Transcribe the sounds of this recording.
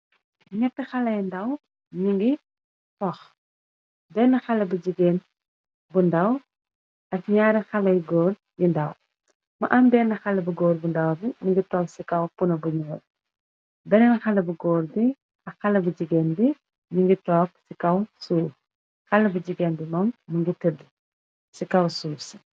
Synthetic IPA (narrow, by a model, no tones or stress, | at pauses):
ɲɛtːixɐlɐjndɐw | ɲiŋɡi | tɔx | bɛnːɐxɐlɐbud͡ʒiɡeːn | bundɐw | ɐkɲaːɾɛxɐlɐjɡɔːr | jindɐw | mɐʔɐmbɛːnɐxɐlɐbuɡɔːɾbundɐwdiɲiŋɡitɔːksikɐwpunɐbuɲɔːl | bɛnɛnxɐlɐbuɡɔːɾdi | ɐxɐlɐbud͡ʒiɡeːnbi | ɲiŋɡitɔːk̚sikɐwsuː | xɐlːɐbud͡ʒiɡeːnbimɐmːuŋɡitədːi | sikɐwsuːsɐ